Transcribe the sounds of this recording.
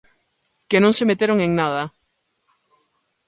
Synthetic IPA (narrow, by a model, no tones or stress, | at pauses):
kenõŋsemet̪eɾoŋeŋnað̞ɐ